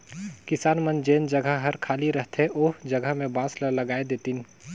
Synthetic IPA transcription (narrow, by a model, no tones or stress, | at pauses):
kɪsaːnmənd͡ʒeːnd͡ʒəɡəɦɐɾkʰaːliɾəɦt̪ʰeʔoːd͡ʒɐɡəɦmẽbãːsləlɐɡaːed̪eːt̪in